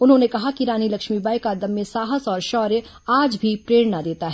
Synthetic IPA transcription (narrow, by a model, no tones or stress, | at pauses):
ʊnɦõnekɐɦakiɾaːnilɐkʃmibaːjkaːd̪əmːẽsaːɦəsɔːɾʃɔːɾjə | aːd͡ʒbʱipɾeːɽnad̪eːt̪aɦɛː